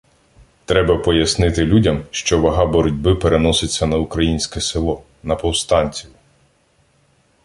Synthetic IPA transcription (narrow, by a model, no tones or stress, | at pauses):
t̪ɾɛbɐpɔjɐsnɪt̪ɪlʲudʲɐmʃt͡ʃɔʋɐɦɑbɔɾɔdʲbɪpeɾenɔsɪt͡sʲːɐnɐʊkɾɐjinʲsʲkɛsɪlˠɔ | nɐpɔwst̪ɑnʲt͡sʲijʊ